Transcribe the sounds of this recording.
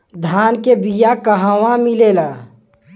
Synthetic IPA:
d̪ʱaːnkebijakəɦaʋãmilela

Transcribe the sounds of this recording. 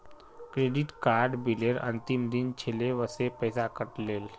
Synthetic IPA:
kɾeɖiʈkaɾɖbileɾə̰̃nt̪imd̪int͡ʃʰeleʋəsepəjsakəʈleːl

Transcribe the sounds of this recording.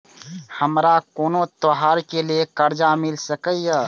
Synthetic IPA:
həmɾakoːnõt̪oɦaːɾkeliekəɾd͡ʒamɪlsəkəijə

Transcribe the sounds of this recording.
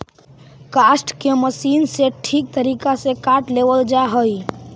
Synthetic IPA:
kaːsʈkeməsiːnseʈʰiːk̚t̪əɾiːkasekaːʈleːʋəld͡ʒaɦoi

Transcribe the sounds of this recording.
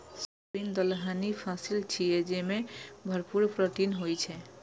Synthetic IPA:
sobind̪əlɦanipʰasilt͡ʃʰied͡ʒemẽbʱəɾpuɾpɾɔʈinɦojt͡ʃʰɛ

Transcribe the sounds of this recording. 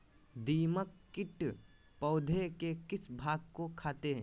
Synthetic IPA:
d̪iːməkːɪʈ | pəʊd̪ʱekekɪsbʱaːɡ̚kokʰaːt̪eɦɛ̃

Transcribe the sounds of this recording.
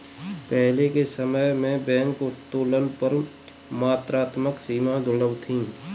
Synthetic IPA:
pɛɦlekesəməjmẽbɛ̃ːŋkʊt̪ːoːlənpəɾ | maːt̪ɾaːt̪məksiːmad̪ʱʊɽəʋt̪ʰĩː

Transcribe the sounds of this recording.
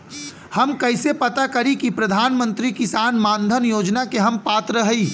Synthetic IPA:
hɐmkɐɪsepɐt̪akɐɾikipɾɐd̪ʱaːnmə̃nt̪ɾikɪsaːnmãːnd̪ʱənjoːd͡ʒnakeɦɐmpaːt̪ɾəɦəiː

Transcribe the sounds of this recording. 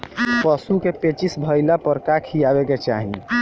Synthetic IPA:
pəsukepet͡ʃisbʱəjlapəɾkakʰijabeket͡ʃa̰ɦḭ

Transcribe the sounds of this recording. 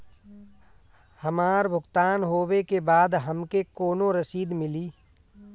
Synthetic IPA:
hɐmaːɾbʱʊɡt̪aːnɦoːwekebaːd̪ɦɐmkekoːnõɾɐsiːd̪mɪliː

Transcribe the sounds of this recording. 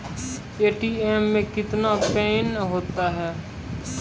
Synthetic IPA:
eːʈiːeːmːẽkɪt̪napɛːnɦoːt̪aɦɛː

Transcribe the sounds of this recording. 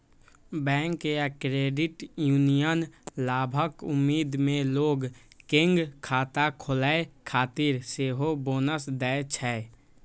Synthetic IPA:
bɛ̃ːŋkːekɾeːɖɪʈjuːnijənlaːbʱəkʊmːiːd̪mẽloːɡ | kẽŋɡkʰaːt̪akʰolaekʰaːt̪iɾseːɦoboːnəsd̪ɛt͡ʃʰɛ

